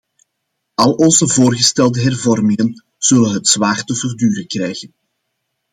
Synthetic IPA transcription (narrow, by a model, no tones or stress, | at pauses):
ɑlˠɔnzəvoːrɣəstɛlˠdəɦɛrvɔrmɪŋən | z̥ɵlənɦətsʋaːrtəvərdyːɾəkrɛjɣən